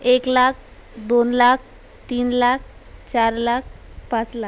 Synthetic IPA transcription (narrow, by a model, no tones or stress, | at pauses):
eklak̚ʰ | d̪onlak̚ʰ | t̪iːnlak̚ʰt͡ɕaɾlak̚ʰpat͡sla